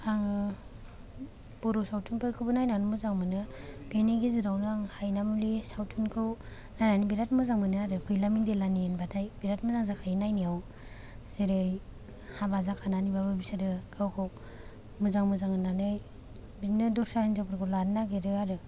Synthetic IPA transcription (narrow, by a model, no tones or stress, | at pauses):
aŋ | b̥ɔɾɔsawtʰunpʰɯɾkʰɯbɯnajnanumuzaŋmɯnɯbeniɡiziɾawnaŋhajnamlisawtʰunkʰɯw | nananibiɾatmɯzaŋmɯnɯaɾɯkʰujlamindelaniːnbadʰajbiɾatmɯzaŋzakʰajnajnijaw | zeɾɯj | habazakʰananibabɯbisaɾɯɡʰawkʰɯw | mɯzaŋmɯzaŋɯnanɯj | binɯdɔɾsainzapʰɾkʰɯladnaɡeɾɯaɾɯ